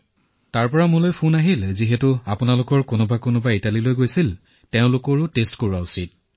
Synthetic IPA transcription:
taɹpɔɹamʊlojpʰunaɦilziɦɛtʊapʊnalʊkɔɹkʊnɔbakonʊbaitalilojɡojsil | teʊ̃lʊkɔɹʊtestkoɹuwausit̚

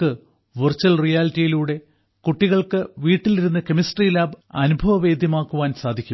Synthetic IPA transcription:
ɨ | ʋɨrt͡ɕːɐlrijaːlitːijiluːɽe̞ | kuʈːiɣɐɭkɨʋiːʈːiliɾunːɐkemisʈrijlaːbɐ̰nubʱɐʋɐʋe̞ːd̪ʱjɐmaːkːuʋaːnsaːd̪ʱikʲːum

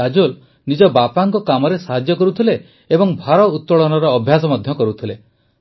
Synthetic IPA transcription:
ad͡ʒol | nid͡ʒɔbapaŋkɔkamɔɾesaɦad͡ʒjɔkɔɾut̪ʰile | ebɔŋbʱaɾɔut̪ːɔɭɔnɔɾɔːbʱjasɔmad̪ʱjɔkɔɾut̪ʰile

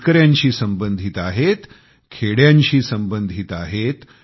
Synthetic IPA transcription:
kəɾjaɲt͡ɕiːsəmbənd̪ʱit̪aɦet̪ | kʰeɽjaɲt͡ɕiːsəmbənd̪ʱit̪aɦet̪

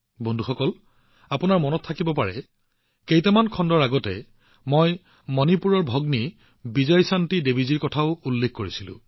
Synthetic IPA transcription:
bɔndʱuxɔkɔl | apʊnaɹmɔnɔttʰːakibɔpaɹɛ | kejtɛmankʰɔndɔɹaɡɔtɛ̰ | moj | mɔnipuɹɔɹbʱɔɡni | bizɔjsantidebiziɹkɔtʰaʊulːekkoɹisilʊ̰̃

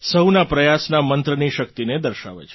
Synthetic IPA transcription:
səwnapɾəjasnamənt̪ɾəniʃək̚t̪ined̪əɾʃa̰ʋḛt͡ʃʰe

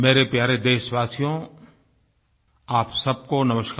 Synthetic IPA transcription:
meːɾepjaːɾed̪eːʃʋaːsijõ | aːpsɐb̚konɐməʃk

